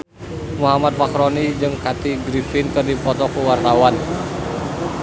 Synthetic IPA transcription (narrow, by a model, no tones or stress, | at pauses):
muɦamat̪̚pakɾɔnid͡ʒɨŋkat̪iɡɾifɪnkɨrdipɔt̪ɔkuwart̪awan